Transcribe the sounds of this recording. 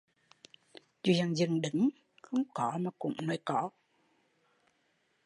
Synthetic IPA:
zu˨˩za˨˩ŋzɨ˨˩ŋɗɨ˨˦ŋ | xə˧wŋ͡mkɔ˨˦maː˨˩kʊ̰˧˥˦ŋ͡mnɔ˨˩˦jkɔ˧˩˦

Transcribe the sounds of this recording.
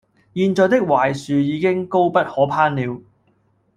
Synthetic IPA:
jiː˧nt͡ʃɔː˧t̪ɪ˥k̚waː˨˩jsyː˨jiː˨˧kɪ˥ŋko˥wpɐ˥t̚hɔː˨˥pʰaː˥nliː˨˧w

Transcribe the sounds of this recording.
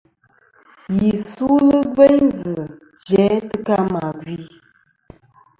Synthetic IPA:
ji˨su˦lɨ˦ɡe˦ɲzɨ˨ | d͡ʒɛ˨˦tɨ˦ka˦ma˨ɡi˦

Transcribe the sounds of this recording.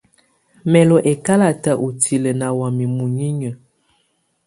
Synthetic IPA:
mɛ˨lɔ˨ʔe˨ka˦la˨ta˨ʔu˨tʰi˨lə˨na˨wa˨mi˨mu˨ɲi˦ɲə˨

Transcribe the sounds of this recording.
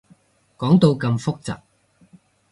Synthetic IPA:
kɔː˨˥ŋt̪o˧wkɐ˧mfʊ˥k̚t͡sɐ̰ː˨p̚

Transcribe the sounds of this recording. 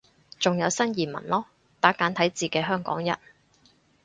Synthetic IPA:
t͡sʊ˨ŋjɐ˨˧wsɐ˥njiː˨˩mɐ̰˨˩nlɔː˥ | t̪aː˨˥kaː˨˥nt̪ʰɐ˨˥jt͡siː˨˩kɛː˧ɦœː˥ŋkɔ̰ː˨˥ŋjɐ̰˨˩n

